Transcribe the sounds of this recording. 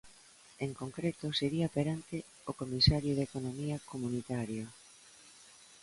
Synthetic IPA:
eŋkoŋkɾet̪ʊseɾiɐpeɾant̪ɪ | okomisaɾjoðekonomiɐkomunit̪aɾjo

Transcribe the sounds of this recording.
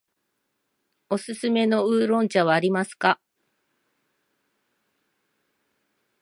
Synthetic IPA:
o̞sɨsɨme̞no̞ɯːɾõ̞ɲt͡ɕaβ̞aːɾʲimasɨ̥ka

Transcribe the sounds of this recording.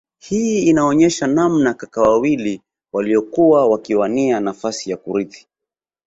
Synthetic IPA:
hiinaɔɲɛʃanamnakakawawili | waliɔkuwawakiwanianafasijakuɾiθi̥

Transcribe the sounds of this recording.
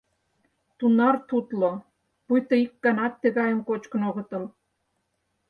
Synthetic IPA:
t̪unɑrt̪ut̪lo | pujt̪oikːɑnɑt̪ːĕɣɑjə̆mkot͡ɕkə̆noɣə̆t̪ə̆l

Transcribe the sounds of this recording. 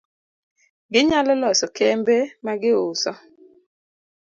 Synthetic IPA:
ɡɪɲalɔlɔsɔkɛmbemaɡɪʊsɔ

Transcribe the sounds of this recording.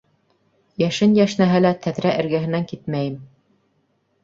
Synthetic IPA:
jæʃɘnjæʃnæɦɘlæt̪ʰæðɾæʔɘ̆ɾɡæɦɘ̆næŋkit̪̚mæjɘm

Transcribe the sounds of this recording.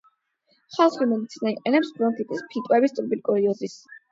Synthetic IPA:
χalˠχimɛnt̪sʰinaiqʼɛnɛpsbɾɔŋkʼʰit̪ʼispʰit̪ʼwɛbist̪ʼuɾbilkʼɔɾiɔzis

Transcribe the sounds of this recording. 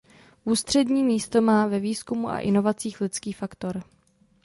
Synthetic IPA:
ʔuːst̪r̝̥ɛdɲiːmiːst̪o̞maːvɛviːskumuʔa̰ʔɪno̞vat͡siːxlɪt͡skiːfakt̪o̞ɾ

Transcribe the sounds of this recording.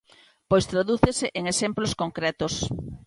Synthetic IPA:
pojst̪ɾaðuθeseʔeŋesemploskoŋkɾɛt̪os

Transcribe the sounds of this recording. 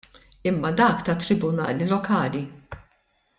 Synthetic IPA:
ɪmːɐd̪ɐːkt̪ɐt̪ːɾɪbʊnɐ̰ːlilɔkɐːli

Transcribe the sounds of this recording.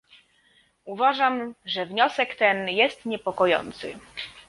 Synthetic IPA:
uvaʐamʐɛvɲɔsɛkt̪ɛnjɛst̪ɲɛpɔkɔjɔ̰nt̪sɘ̰

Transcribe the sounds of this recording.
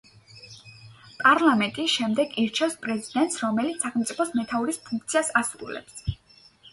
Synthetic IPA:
pʼaɾlˠamɛnt̪ʼiʃɛmd̪ɛɡiɾt͡ʃʰɛfspʼɾɛzid̪ɛnt̪sɾɔmɛlit̪ssaχɛlmt̪sʼipʰɔsmɛt̪ʰauɾispʰuŋk̚ʰt̪sʰiasasɾṵlɛ̰ps

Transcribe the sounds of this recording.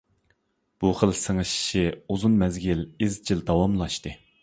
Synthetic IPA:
b̥uχəlˠsɨŋɨʃʃiuzunmɛzɡʲilizd͡ʒild̪ɑwɑmlˠɑʃt̪ɨ

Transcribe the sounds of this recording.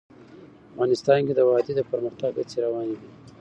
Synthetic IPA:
afɣɑnɪst̪ɑnked̪əwɑd̪ed̪əpəɾməxt̪aɡə̰t͡seɾawɑniwi

